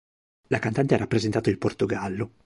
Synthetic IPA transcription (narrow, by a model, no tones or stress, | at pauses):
lakant̪ant̪eɛɾapːɾezent̪aːt̪ailport̪oɡalːo